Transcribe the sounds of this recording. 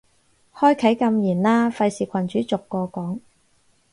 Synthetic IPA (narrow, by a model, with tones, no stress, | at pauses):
hɔː˥jkʰɐ˨˥jkɐ˧mjiː˨˩nlaː˥fɐ˧jsiː˨kʷʰɐ˨˩nt͡ʃyː˨˥t͡sʊ˨kːɔː˧kɔː˨˥ŋ